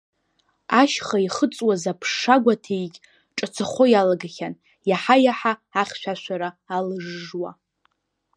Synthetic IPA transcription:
aʃχaiχət͡sʼwazapʰʂːaɡʷatʰejɡʲ | ʈ͡ʂʼat͡sʰaχʷojalaɡaχʲan | jaħajaħaːχʲʃʷᶣaʃʷaɾaːlɨʐːwa̰

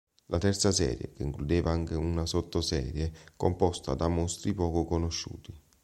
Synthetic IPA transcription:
lʔat̪ɛrt̪sasɛ̰ːɾjḛkeiŋklud̪eːvaaŋk̟eunasot̪ːosɛ̰ːɾjekompɔst̪ad̪amɔst̪ɾipɔːkokonoʃːṵːt̪i

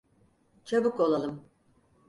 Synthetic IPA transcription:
t͡ʃʰabɯko̞lˠalˠɯm

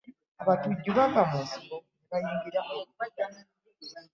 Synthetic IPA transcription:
aβatuɟːuβakamusiɾo | eβajiːŋɡiɾaaan

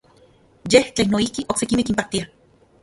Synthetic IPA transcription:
jeht͡ɬenoihkiʔoksekimekimpaht̪ia

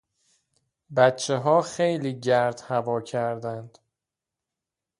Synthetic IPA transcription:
bæt̪t͡ʃʰeɦɒːxejliːɟæɾd̪̥hævɒːcʰæɾd̪ænd̪̥

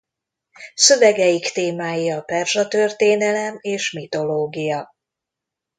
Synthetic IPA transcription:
sø̞vɛɡɛjikt̪eːmaːjiɒpɛrʒɒt̪ørt̪eːnɛlɛmeːʃmit̪o̞loːɡijɒ

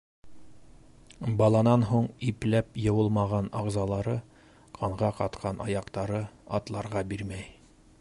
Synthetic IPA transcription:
bɑlˠɑnɑnɦuɴiplæpjɤ̆wɤlˠmɑʁɑnɑʁzɑlˠɑɾɤ | qʰɑɴʁɑqɑt̪qʰɑnʔɑjɑqt̪ɑɾɤɑ̰t̪lˠɑɾʁɑbiɾmæj

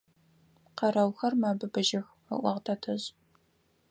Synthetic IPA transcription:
qɐɾɐwxɐrmaːbɨbɨʒɐx | ɐ̰ʔʷɐʁtʰɐtʰɐʑʼ

